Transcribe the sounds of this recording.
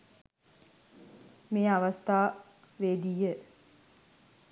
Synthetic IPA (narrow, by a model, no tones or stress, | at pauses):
meːaʋɐst̪aː | ʋeːd̪iːjə